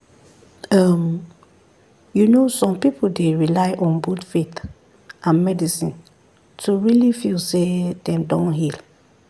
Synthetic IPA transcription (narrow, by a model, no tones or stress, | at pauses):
ʌm | junosɔ̃mpipʰol̩deɹilaɪʔɔ̃nbotfit | ʔãnmɛdisĩn | tʰuɹilifilsedɛ̃mdɔ̃nɦil